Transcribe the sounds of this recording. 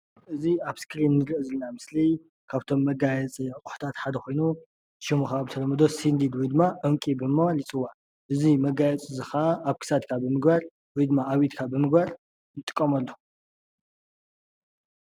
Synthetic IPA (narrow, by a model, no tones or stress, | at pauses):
ʔɨziaβskɾinːɨɾɨʔɨzɨlnamɨsli | kʰaβt̪ʰo̞mːɐɡajɛt͡sʼiʕɨkʼu̥ħu̥t̪ʰat̪ħad̪ɐxo̞jnu̥ | ʃimuxaβɨt̪ʰɐɾɐmɐd̪o̞sind̪id̪wɔjd̪ɨmːaʔɨmkʼibɨmːɐwalit͡sʼɨwːa | ʔɨzimɐɡajɛt͡sʼɨzɨxaaʔːβkʰɨ̥sad̪kʰabɨmɨɡbaɾ | wɔjd̪ɨmːaːβit̪kʰabɨmɨɡbaɾ | jɨt̪ʼːɨkʼːɐmɐlːo